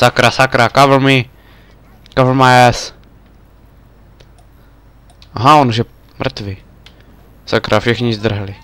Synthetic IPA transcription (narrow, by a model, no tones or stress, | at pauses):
sakɾasakɾakavɾmi | kavmaɛs | aɦãonuʒɛ | mr̩t̪vɪ | sakɾʔafʃɛxɲizd̪r̩ɦalɪ